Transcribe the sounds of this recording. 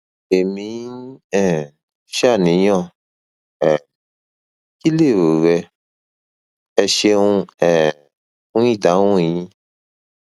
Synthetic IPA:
e˨mĩ˧˦ɛ̃˨ | ʃa˦˨nĩ˨˦jɔ̃˦˨ | ɛ˨ | ki˦le˦˨wo˨wɛ˧ | ɛ˧ʃe˧ũ˧ɛ̃˨ | ũ˦ĩ˦˨da˨˦wũ˦˨ĩ˦

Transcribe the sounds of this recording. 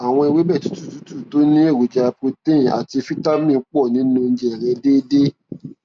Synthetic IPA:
a˨w̃ɔ̃˧i˧we˦bɛ˦˨tu˨˦tu˦˨tu˨˦tu˦˨to˦nĩ˦e˦˨ɾu˨d͡ʒa˧pɾi˧tẽ˦˨a̰˨ti˧fi˦ta˦mĩ˦˨˦k͡pɔ˦˨nĩ˨˦nũ˧n̩˦d͡ʒɛ˦˨ɾɛ˧de˦de˦

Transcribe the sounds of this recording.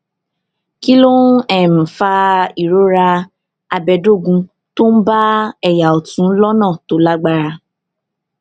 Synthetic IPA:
ki˦lo˦ɛ˨m̩̃˨fa˧i˨ɾo˦ɾa˧ | a˧bɛ˧˨do˦˨ɡũ˧ | to˦n̩˦ba˦ɛ˨ja˨ɔ˨tũ˨˦lɔ˦nãː˦˨to˨˦la˦ɡ͡ba˦ɾa˧

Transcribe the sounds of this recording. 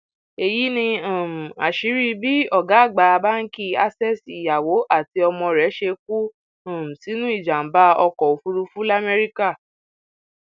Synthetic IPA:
e˨ji˨˦nĩ˧ã˨m̩˨a̰˨ʃi˨˦ɾi˦bi˦ɔ˦˨ɡa˨˦˨ɡ͡ba˧˦˧ba˦n̩˦ki˦a˦sɛ˦˨si˨ja˨wo˨˦ʔa˦˨ti˧˦ɔ˧mɔ̃˧ɾɛ˨˦ʃe˧k̚u˦ | ã˨m̩˨si˨˦nũ˦i˦˨d͡ʒa˨m̩˨˦ba˦ɔ˧kɔ˨o˨fu˧ɾu˧fu˦la˦me˧ɾi˦ka˦˨

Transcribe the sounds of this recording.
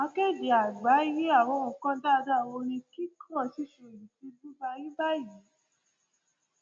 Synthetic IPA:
ã˧ke˦˨d͡ʒi˨a˨ɡ͡ba˨˦ji˨˦a˦˨w̃ɔ̃˧ũ˨kã˦da˦˨˧da˦˨wo˧nĩ˧ki˦kʰã˦˨si˧˦ʃo˨jĩ˨ti˧lu˦ba˧jĩ˦ba˦ji˨˦

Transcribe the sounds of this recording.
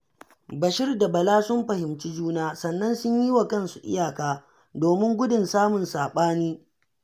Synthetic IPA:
bɐ˨ʃɪ˦rda˨bɐ˨laː˦sʊ˦mɸɐ˨hɪ˨mt͡ʃi˦d͡ʒuː˦naː˦sɐ˨nːɐ˦nsʊ˦ɲji˦wa˨kɐ˦nsu˨ʔɪ̰˦jaː˨kaː˨ | doː˨mɪ˦ŋɡʷʊ˦dʊ˨nsaː˦mʊ˨nsaː˨ɓaː˦niː˦

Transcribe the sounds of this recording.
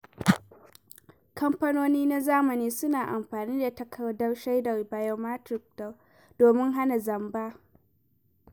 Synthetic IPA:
kɐ˦mpɐ˦noː˦niː˦na˦zaː˦mɐ˨niː˦sʊ˦naː˨ʔa˨mɸaː˨niː˦da˨tɐ˨kʰɐ˨wdɐ˦rʃa˦jdɐ˨ba˨jɐ˦maː˦tɾɪ˨k̚da˨ | d̥oː˨mɪ˦ŋɦa˦na˨zɐ˨mbaː˦

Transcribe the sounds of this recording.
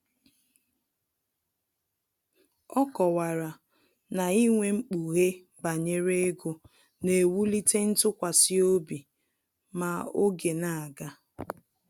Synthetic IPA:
ɔ˦kɔ˨wa˨ɾa˨ | na˨i˦ŋʷe˦ŋ͡m̩˦k͡pu˨ɣe˦ | ba˨ɲe˦ɾe˦ɡo˨ | ne˨wu˦li˦te˦n̩˦tʊ˦kʷa˨si˦o˦bi˨ | ma˨o˦ɡe˨na˨a˨ɡa˦

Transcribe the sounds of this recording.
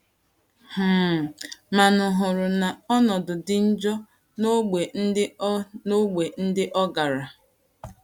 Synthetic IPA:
h̩˦˨ | ma˨nʊ˨ɦʊ˨ɾʊ˨na˨ɔ˦nɔ˨dʊ˨dɪ˦n̩˦d͡ʒɔ˦ | no˦ɡ͡be˨n̩˦ɪ˦no˦ɡ͡be˨n̩˦dɪ˦ʔɔ˦ɡa˨ɾa˨

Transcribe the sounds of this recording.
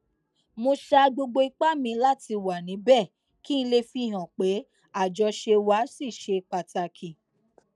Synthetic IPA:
mõ˧ʃa˧ɡ͡bo˧ɡ͡bo˧i˧k͡pa˦mĩ˧la˦ti˧wa˨nĩ˨˦bɛ˦˨ | ki˦n̩˧˦le˧fi˧˦˨ɦã˨k͡pe˨˦ | a˦˨d͡ʒɔ˧ʃe˧wa˨˦si˦˨ʃe˧k͡pa˧ta˧kʰi˨

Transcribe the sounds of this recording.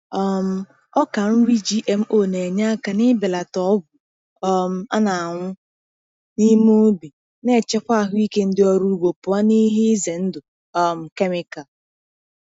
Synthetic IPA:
ɔ˦m̩˦ | ɔ˦ka˨n̩˦ɾi˦d͡ʒi˦ʔe˨m̩˦ʔo˦˨ne˨ɲa˦a˦ka˨nɪ˦be˨la˨tɔ˦ɡʷʊ˨ | ɔ˦m̩˦a̰˦na˨a˨ŋʷʊ˦ | ni˦mu˦bi˨ | ne˦˨t͡ʃɛ˦kʷa˦˨ɦʊ˦i˦ke˦n̩˦dɪ˦ɔ˦ɾu˦ɡ͡bo˨pʊ˨a˦ni˦ɦɪ˦ze˨n̩˦dʊ˨ | ɔ˦m̩˨ke˦mɪ˨ka˨l

